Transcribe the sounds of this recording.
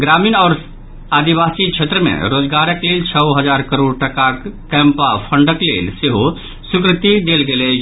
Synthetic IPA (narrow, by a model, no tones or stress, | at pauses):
ɡɾaːmiːnɔːɾ | aːd̪ibaːsikʃʰet̪ɾəmḛ̃ɾoːd͡ʒɡaːɾəkleːlt͡ʃʰəwɦəd͡ʒaːɾkəɾoːɖ̚ʈəkakɛ̃ːmpapʰə̃ɳɖəklḛːlseɦo | sʊkɾɪt̪id̪eːlɡele